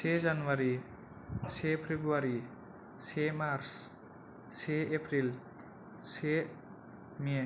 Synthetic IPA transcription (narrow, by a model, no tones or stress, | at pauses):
sʰezanwaɾi | sʰepʰebɾuaɾi | sʰemaɾs | sʰeepʰɾil | sʰe | me